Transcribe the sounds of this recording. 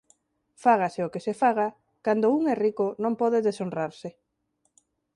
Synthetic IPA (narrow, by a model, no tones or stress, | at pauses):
faɣaseʊkesefaɣ̞a | kand̪ouŋɛrikʊnõmpɔðeðesonraɾsɪ